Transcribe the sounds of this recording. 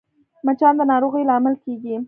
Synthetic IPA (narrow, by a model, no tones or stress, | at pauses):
mat͡ʃɑnd̪ənɑɾoɣəjlamalkeɡi